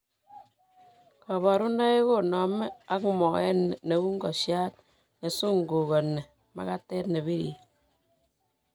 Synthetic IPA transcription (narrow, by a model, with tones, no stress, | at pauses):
ka˨ba˨ɾu˦na˦e˦ko˦˨nɔ˨˦me˦a˦kmɔ˨ɛ˦n˨ne˨˦wu˦ŋ˦ɡɔ˨ʃja˦t̚ | ne˨su˦ŋ˨ɡu˨ko˨nːe˨ | ma̰˨ka˦tɛ˦tne˨βi˦ɾḭ˨